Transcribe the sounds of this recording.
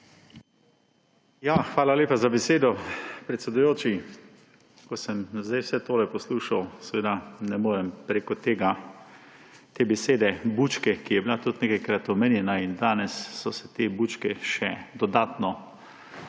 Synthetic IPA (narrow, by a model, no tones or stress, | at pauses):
jaxʋaːlaleːpazabɛseːd̪ɔpɾɛt̪sɛd̪ujoːt͡ʃi | kɔsɛmzd̪ajwsɛt̪oːɾɛjpɔsluːʃawsɛʋeːd̪anɛmoːɾɛmpɾeːkɔt̪eːɡa | t̪eːbɛseːd̪ɛbuːt͡ʃkɛkijɛbilat̪ut̪neːkajkɾat̪ɔmenjɛnaind̪aːnɛsːɔsɛ̥t̪eːbuːt͡ʃkɛʃɛd̪ɔd̪aːt̪nɔ